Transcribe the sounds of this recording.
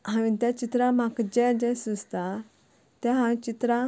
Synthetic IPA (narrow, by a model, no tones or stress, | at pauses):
ɦãʋĩt̪at͡ɕit̪ɾãmakd͡ʑɛd͡ʑɛ̃sust̪a | t̪ãɦãʋĩt͡ɕit̪ɾa